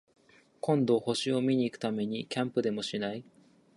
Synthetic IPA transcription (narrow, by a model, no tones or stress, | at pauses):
kõ̞nd̪o̞ho̞ɕio̞mʲiɲ̟iːkɯ̟̥t̪ame̞ɲ̟ikʲãmpɯ̟d̪e̞mo̞ɕinai